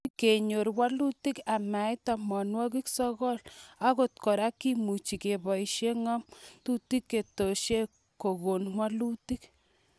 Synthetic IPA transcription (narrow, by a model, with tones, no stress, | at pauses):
ke˨ɲo˨ɾwa˦lu˦ti˦ka˨ma˨jta˨mɔ˨nwɔ˦ki˦ksɔ˦ɣɔ˦la˦ko˦tkɔ˨ɾa˦kːi˦mu˨t͡ʃi˨ke˨bɔ˨iʃje˦ŋɔ˦mtu˦ti˦kːe˨to˨ʃje˦ | ko˨ɣo˨nŋwa˦lu˦ti˦k